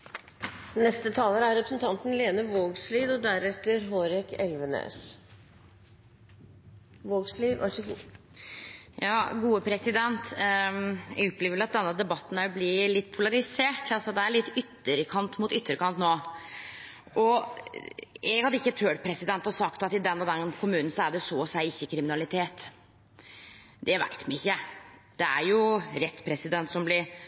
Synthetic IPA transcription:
nɛst̪ət̪ʰɑːlˠəɾæɾɛpɾəsnt̪ʰɑnt̪n̩leːnəʋoːɡsliːd̪ɔd̪æɾɛt̪ːəɾɦoːɾɛkɛlʋənø̰ːs | ʋoːɡsliːʋ̪ʔɑ̰ | jɑːɡuːəpʰɾɛsɪd̪ɛnt̪ | ɛ̰ɡɔpːleːʋɪlɑt̪̚d̪ɛnːəd̪ɛbɑt̪ːn̩æɾɔbliːlɪt̪ːpʰʊlɑɾɪseːʈɑlsɔd̪ɛæɭɪt̪ːʏt̪ːəɾəkʰɑnt̪mʊt̪ʏt̪ːəɾəkɑnt̪noː | ʔɔ | ɛɡhɑd̪əɪçːət̪ʰøːʈpʰɾɛsɪd̪ɛnt̪ɔsɑkt̪ɑt̪ɪd̪ɛnːɔd̪ɛnkʰʊmʉːnn̩sɔæɖɛsoːɔsæɪɪçːəkʰɾɪmɪnɑlɪt̪ʰeːt̪ | d̪ɛʋæ̰ɪt̪mɛnɪçːəd̪̥ɛæɾjʊɾɛt̪ːpʰɾɛsɪd̪ɛnt̪sɔmblɪɾ

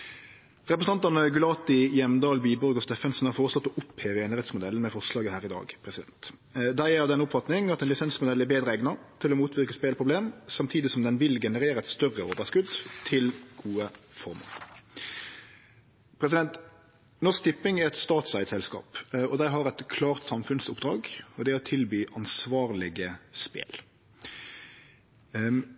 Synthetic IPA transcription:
ʁɛpʁəsn̩ɑnt̪ənəɡʉlɑːt̪ɪjɛmd̪ɑːlbiːbɔɾɡɔst̪eːfɛnsn̩hɑɾfoːʁəslɔt̪ːɔʔʊpheːʋəeːnɪʁɛt̪smʊd̪ɛlən̩mɛfɔʁʂlɑːɡəhæːʁɪd̪ɑ̰ːɡpʰʁɛsɪd̪ɛ̰nt̪ | d̪æɪæɑʋd̪ɛnːʊpfɑt̪nɪŋɑt̪ɛnlɪsɛnsmʊd̪ɛlːæbeːd̪ɾəɛɡnɑt̪ʰɪlɔmuːt̪ʰʋɪʁkəspeːlpʰʁʊbleːmsɑmt̪ʰiːd̪ɪsɔmd̪ɛnʋɪlɡɛnəʁeːɾəɛt̪st̪œrəo̰ːʋəskʉd̪t̪ʰɪlɡ̥uːəfɔʁmo̰ːʁ | pʰɾɛs̬ɪd̪ɛnt̪ | nɔskt̪ɪpːɪŋæɛt̪st̪ɑːt̪sæɪt̪sɛlskɑ̰ːpɔd̪æɪɦɑɾɛt̪kʰlɑːʁt̪sɑmfʉnsʊpd̪ɾɑːɡɔd̪ɛɔt̪ʰɪlbyːʔɑnsʋɑːʁlɪɡəspḛːl

